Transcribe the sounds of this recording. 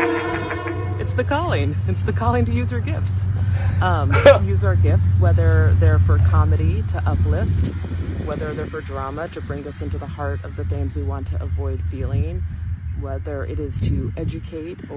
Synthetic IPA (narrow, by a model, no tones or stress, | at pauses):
ɨtsðɨkʰɔlˠɪ̃ŋɨtsðɨkʰɔlˠɪ̃ŋtɨjʉzjə˞ɡɪfts | tʰɨjʉzaʊə˞ɡɪftswɛðə˞ðə˞fə˞kʰɑmɨɾiɾɨʔʌplɪftwɛðə˞ðə˞fə˞dɹɑməɾɨbɹɪ̃ŋʌsɪ̃ntʉðəhɑɹɾʌvðɨθɪ̃ŋzwiwɑ̃ntʰɨʔəvɔɪd̥filˠɪ̃ŋwɛðə˞ʔɪ̰ɾɪz̥tʰɨʔɛd͡ʒɨkʰeɪɾ